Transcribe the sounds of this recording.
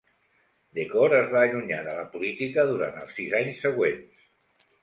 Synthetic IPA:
d̪ekɔɾəzβaːʎuɲa̰ðələpulit̪ikəðuɾa̰nt̪ə̰lˠsizaɲsːəɣwens

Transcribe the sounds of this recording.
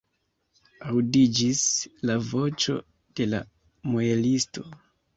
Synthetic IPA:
awdid͡ʒislavo̞t͡ʃo̞̰ | d̥e̞la̰ | moelisto̞

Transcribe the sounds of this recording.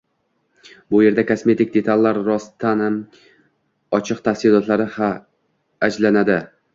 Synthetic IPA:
bʊje̞ɾd̪akʰosme̞t̪ɪk̚ʲd̪e̞t̪ʰalːaɾɾɒst̪ʰanam | ɒt͡ʃʰɨqt̪ʰafsɪlɒt̪ʰlaɾɪha | ad͡ʒlanad̪ɪ

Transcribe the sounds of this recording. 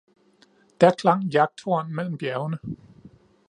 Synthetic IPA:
d̥æɐkʰlɑ̈ŋ̰jɑ̈ɡ̥̚d̥ʰo̝ɐnmel̰m̩b̥jæɐʊnə

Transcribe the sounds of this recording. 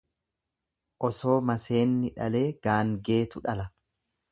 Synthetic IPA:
ʔɔso̞ːmɐse̞ːnːɪᶑɐle̞ːɡ̥aːŋɡe̞ːt̪ʊᶑɐlɐ

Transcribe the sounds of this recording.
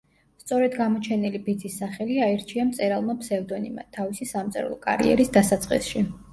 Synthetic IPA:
st̪sʼɔɾɛd̪ɡamɔt͡ʃʰɛnilibid̪zisːaχɛliaɛɾt͡ʃʰiamt̪sʼɛɾalˠmapʰsɛvd̪ɔnima̰t̪ʰavisisamt̪sʼɛ̰ɾ̰lˠɔkʼa̰ɾḭɛ̰ɾisd̪asat̪sʼqʼḭsʃi

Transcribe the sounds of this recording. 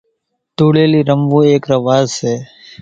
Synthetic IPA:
t̪uːɽeːliːɾəmʋũːeːkɾəʋaːzseː

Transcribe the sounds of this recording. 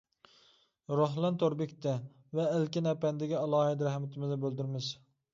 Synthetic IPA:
ɾoɦlˠɛnt̪ʰoɾbɪkʲt̪ʰɛ | vɛːlkʲinɛpɛnd̪ɪɡʲiɑlˠɑːhɪd̪ɾɛhmɪt̪ʰɪmɪzɛbøld̪yɾmɪz̥

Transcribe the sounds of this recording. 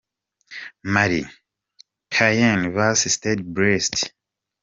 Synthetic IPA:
maɾḭ | kʰajãnvasisted̚bɹɛst

